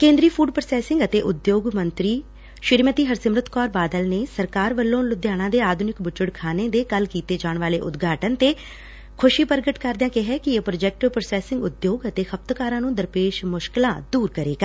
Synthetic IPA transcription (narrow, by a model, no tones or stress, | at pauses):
kẽːnd̪ɾiːpʰuːɖpɾəsɛːsɪ̃ŋɡət̪eːʔʊd̪joːɡmənt̪ɾiː | ʃɪɾmət̪iːɦəɾsɪmɾʊt̪kɔːɾbaːd̪əlneːsəɾkaːɾʋəlːõːnlʊd̪jaːɽ̃ãːd̪eːaːd̪ʱʊnɪkbʊt͡ʃəɽkʰaːneːd̪eːkəlkiːt̪eːd͡ʒaːɳʋaːleːʔʊd̪ɡʱaːʈənt̪eː | kʰʊʃiːpəɾɡəʈkəɾd̪jãːkɪɦɛːkɪepɾoːd͡ʒɛːk̚ʈpɾsɛːsɪ̃ŋɡʊd̪joːɡət̪eːkʰəp̚t̪kaːɾãːnũːd̪əɾpeːʃmʊʃkɪlãːd̪uːɾkəɾeːɡaː